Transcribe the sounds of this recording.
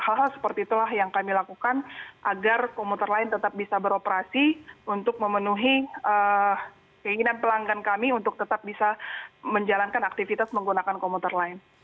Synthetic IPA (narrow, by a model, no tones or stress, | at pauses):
halɦalsə̥pərt̪iːt̪ulahjaŋkamilakukanʔaɡarkomut̪ərlaɪnt̪ət̪ap̚bisabəɾopəɾasiunt̪ʊk̚məmənuɦiə | kəiŋinanpəlaŋɡankamiunt̪ʊk̚t̪ət̪ap̚bisaməɲd͡ʒalankanak̚t̪ifit̪asməŋɡunakankomut̪ərlaɪn